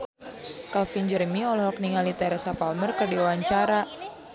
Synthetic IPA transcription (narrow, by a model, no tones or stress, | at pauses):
kalfiɲd͡ʒərmiɔlɔhɦɔkniŋalit̪ɛɾɛsapalmərkərdiwaɲt͡ʃaɾa